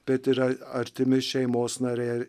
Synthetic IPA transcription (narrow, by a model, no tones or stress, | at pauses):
b̥ʲɛt̪ʲɪɾɐɐɾʲt̪ʲɪmʲɪʃʲɛɪmoːsnɑɾʲɛː